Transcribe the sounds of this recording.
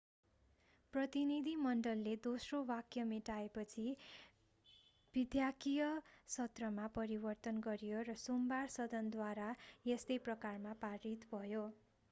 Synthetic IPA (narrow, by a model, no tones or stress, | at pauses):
prʌt̪inid̪ʱimʌɳɖʌlːed̪osrowakjʌmiʈaepʌt͡sʰi | b̥id̪jakijʌsʌt̪rʌmapʌɾibʌrt̪ʌnɡʌɾijorʌsumbarsʌd̪ʱʌnd̪waɾajest̪ʌjprʌkarmapaɾit̪bʱʌjo